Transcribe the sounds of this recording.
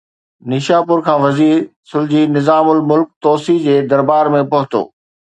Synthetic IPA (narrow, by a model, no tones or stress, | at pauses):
nɪʃaːpʊɾkʰãːʋɐziːɾsʊld͡ʑinɪzaːmʊlmʊlk̚t̪ɔːsid͡ʑeːd̪ɐɾbaːɾmẽpɐɦʊt̪o̰ː